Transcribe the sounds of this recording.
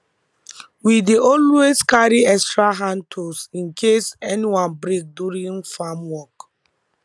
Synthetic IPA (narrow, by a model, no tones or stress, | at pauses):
wideɔlweskaɾiɛkstɹaɦãntʰosĩnkʰesɛniwãnbɾik̚duɾĩŋfamwɔk